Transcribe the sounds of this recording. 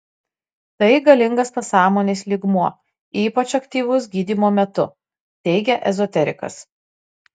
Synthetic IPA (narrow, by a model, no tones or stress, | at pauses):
t̪ɐɪɡɐlʲɪŋɡɐspɐsɑːmoːnʲeːslʲiɡmuɔ | iːpɐt͡ʃɐkt̪ʲiːʋʊs̬ɡʲiːd̪ʲiːmoːmʲɛt̪ʊ | t̪ʲɛɪɡʲɛʔɛzɔt̪ʲɛɾʲɪ̰kɐ̰s